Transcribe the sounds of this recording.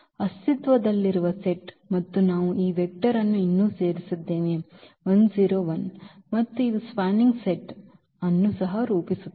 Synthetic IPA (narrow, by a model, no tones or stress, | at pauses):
ɐst̪it̪ʋɐd̪ɐlːiɾuʋɐseʈ | mɐt̪ːunaːʋuʔiːʋek̚ʈɐɾɐnːuinːuːse̞ːɾisud̪ːeːʋeʋɐnsiːɾoːʋɐnmɐt̪ːuispaːniŋɡseʈ | ɐnːusɐɦɐɾuːpisut̪ː